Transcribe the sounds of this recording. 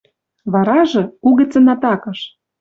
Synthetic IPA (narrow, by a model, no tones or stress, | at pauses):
βɑɾɑʒɤ̆kuɣĕt͡sɤ̆nɑt̪ɑkɤ̆ʃ